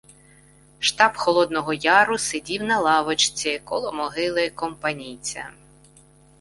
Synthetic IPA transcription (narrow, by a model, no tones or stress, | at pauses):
ʃt̪ɑpxɔlˠɔd̪nɔɦɔjɑɾʊsedʲiwnɐlˠɑʋɔt͡ʃt͡sʲɪkɔlˠɔmɔɦɪlˠɪkɔmpɐnʲijt͡sʲɐ̰